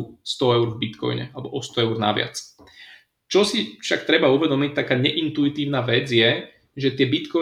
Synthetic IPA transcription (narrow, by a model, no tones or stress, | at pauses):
ust̪ɔɛʊɾvbit̪kɔ̰jɲɛ̰alɛbɔʔɔst̪ɔɛʊɾna̰ʋɪa̰t͡s | t͡ʃɔsifʃak̚t̪ɾɛbauʋɛd̪ɔmic̚t̪akaːɲɛʔint̪uit̪iːʊnaːʋɛd͡zjɛ | ʒɛt̪ɪɛbit̪kɔ